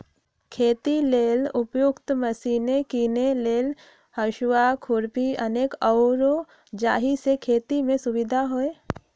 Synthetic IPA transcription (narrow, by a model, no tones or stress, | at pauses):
kʰeːt̪ileːlʊpjʊkt̪məsiːnekiːneleːl | həʃwakʰʊɾpiɐneːkɔʊɾo | d͡ʒaːɦisekʰeːt̪imẽsʊʋɪd̪ʱaɦoːe